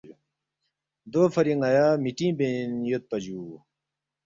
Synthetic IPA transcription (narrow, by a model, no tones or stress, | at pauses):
d̪oːfɐɾiŋɐjaːmiʈĩːbenjot̪̚pɐd͡ʑuː